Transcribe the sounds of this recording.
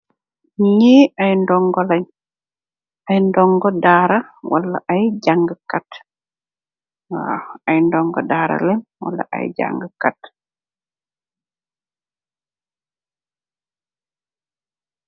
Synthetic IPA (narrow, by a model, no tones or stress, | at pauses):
ɲeːʔajndɔŋɡɔlɛɲ | ajndɔŋɡɔdaːɾawa̰lːa̰ʔajɟaŋɡəkat | a̰ajndɔŋɡɔ̰daːɾa̰lɛnwa̰lːa̰ʔa̰jɟa̰ŋɡkat